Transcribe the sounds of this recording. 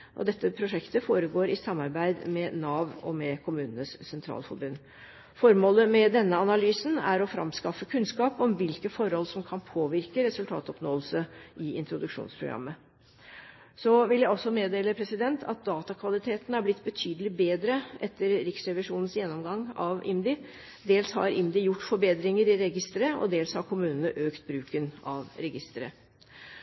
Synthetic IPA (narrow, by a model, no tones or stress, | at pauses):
ʔɔ̰d̪ɛt̪ːəpʰɾʊʂɛkt̪əfoːɾəɡoːɾɪsɑmːɑɾbæɪd̪mɛnɑːʋɔ̰mɛkʰʊmʉːnənəssɛnt̪ʰɾɑ̰ːlfɔ̰ɾbʉn | fɔɾmoːləmɛd̪ɛnːəɑnɑlyːsn̩æɾɔfɾɑ̰mskɑfːəkʰʉnskɑːpɔmʋɪlkəfɔɾhɔlsɔmkʰɑnpʰoːʋɪɾkəɾɛsʉlt̪ʰɑ̰ːt̪ɔpnoːlsəʔɪɪ̰nt̪ɾʊd̪ʉkʂṵːnspʰɾʊ̰ɡɾɑ̰mːə | sɔʋɪljæɪɔsːɔmeːd̪eːləpʰɾɛsɪd̪ɛnt̪ʰɑ̰t̪̚d̪ɑːt̪ɑkʰʋɑlɪt̪ʰeːt̪ənæblɪt̪ːbət̪ʰyːd̪əlɪbeːd̪ɾəʔɛt̪ʰːəɾɾɪksɾɛʋɪʂuːnən̩sjɛnːɔmɡɑŋːɑʋʔɪ̰md̪ɪ | d̪eːlshɑ̰ɾɪmd̪ɪjʊʈːfɔɾbeːd̪ɾɪŋəɾɪɾɛɡɪst̪əɾəʔɔ̰d̪eːlshɑɾkʰʊmʉːnənəʔøːkt̪̚bɾʉːkənɑʋɾɛɡɪst̪əɾə̰